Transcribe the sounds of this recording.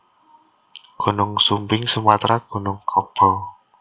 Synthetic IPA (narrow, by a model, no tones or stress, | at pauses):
ɡ̥o̤nʊŋsumbɪŋsumat̪ɾaɡ̥o̤nʊŋkʰɔb̥ɔ